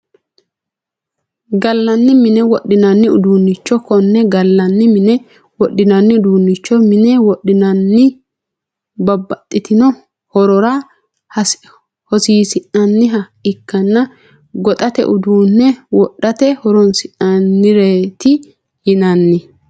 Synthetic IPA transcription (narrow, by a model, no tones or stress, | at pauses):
ɡɐlːɐnːɪmɪnɛwɔɗɪnɐnːɪʊ̰d̪uːnːɪt͡ʃːɔkɔnːɛɡɐlːɐnːɪmɪnɛ | wɔɗɪnɐnːɪʊd̪uːnːɪt͡ʃːɔmɪnɛwɔɗːɪnɐnːɪ | bɐbːɐt̪ʼːɪt̪ɪnɔ | hɔɾɔɾɐ | hɔsiːsɪʔɐnːɪɦɐ | ɪkːɐnːɐ | ɡɔt̪ʼɐt̪ɛ̰ʔʊd̪uːnːɛwɔɗːɐt̪ɛhɔɾɔnsɪʔɐnːɪɾeːt̪ɪ | jɪnɐnːɪ